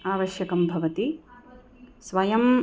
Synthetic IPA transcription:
aːʋɐʃjɐkɐmbʱɐʋɐt̪i | sʋɐjɐm

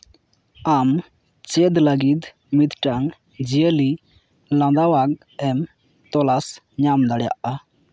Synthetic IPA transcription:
am | t͡ʃɛd̪laɡid̪ | mit̪ʈaŋ | d͡ʒiəli | lãd̪awaɡ̚ | ɛm | t̪ɔlas | ɲamd̪aɽja̰ʔa

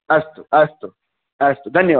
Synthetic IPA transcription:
ɐst̪oɐst̪o | ɐst̪od̪ɐnjɐ

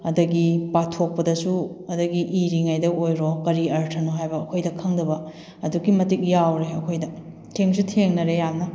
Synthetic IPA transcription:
ɐdɐɡipatʰok̚pɐdɐsuɐdɐɡiʔiɾiŋajdɐojɾokɐɾiɐɾtʰɐnoɦajbɐːkʰojdɐkʰɐŋdɐbɐ | ɐdukimɐtik̚jawɾeɐkʰojdɐ | tʰeŋsutʰeŋnɐɾejamnɐ

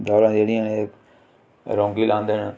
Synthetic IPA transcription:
d̪ɔːɾãːd͡ʒeːɽijãːnek | ɾõːŋɡiːlʔãːnd̪eːneː

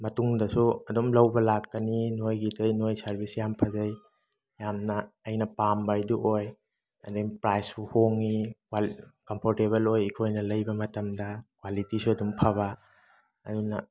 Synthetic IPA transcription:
mɐtuŋdɐsuɐdumlɐwbɐlakːɐninojɡitʰɐjnojsɐɾbʱisjampʰɐzɐj | jamnɐːjnɐpambajduʔoj | ɐ̰deŋpɾajspuhoŋːikakɐmpʰoɾteβɐlojikʰojnɐlɐjbɐmɐtɐmdɐkwalitisuɐdumpʰaβɐ | ɐdunɐ

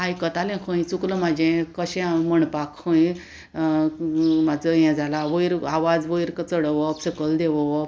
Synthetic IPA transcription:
ɦajkət̪alẽkʰə̃jt͡sukləmad͡ʑẽkəɕɛ̃aməɳpakʰːə̃j | mad͡zəjɛ̃d͡zʱalaʋəjɾaʋad͡zʋəjɾkət͡səɽəʋəpsəkəld̪eʋəʋp

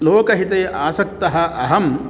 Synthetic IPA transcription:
loːkɐɦit̪eːʔaːsɐk̚t̪ɐɦɐʔɐɦɐm

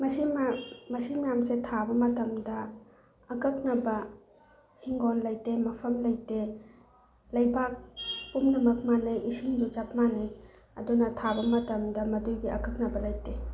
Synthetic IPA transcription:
mɐsimamɐsimjamsetʰabɐmɐtɐmdɐː | kɐk̚nɐbɐ | hiŋɡɔnlɐjtemɐpʰɐmlɐjte | lɐjbʱak̚pumnɐmɐk̚manɐjʔisiŋd͡ʒut͡ʃap̚mani | ɐ̰dunɐtʰabɐmɐtɐmdɐmɐdujɡiɐ̰kɐk̚nɐbɐlɐjte

